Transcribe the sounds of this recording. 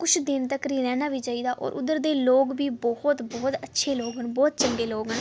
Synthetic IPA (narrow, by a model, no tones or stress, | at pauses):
kʊt͡ʃʰd̪ɪnt̪əkɾiːɾɛ̃ːnaːʋiːt͡ʃaːiːd̪aːʔɔ̰ːɾʔʊ̰d̪əɾd̪eːloːɡbiːbɔhʊt̪bɔːt̪ətːʃʰeːloːɡɦənbɔːt̪t͡ʃəŋɡeːloːɡɦən